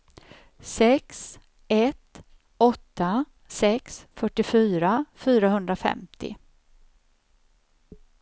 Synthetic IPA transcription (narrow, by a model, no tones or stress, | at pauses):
sɛks | ɛt̪ | ɔt̪ːa | sɛksfœʈːɪfyːɾafyːɾaɦɵnd̪ɾafɛ̰mt̪ʰɪ̰